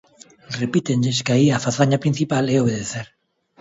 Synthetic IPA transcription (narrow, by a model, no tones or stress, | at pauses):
repit̪eɲʎeskaiafaθaɲapɾin̟θipaleoβ̞eðeθeɾ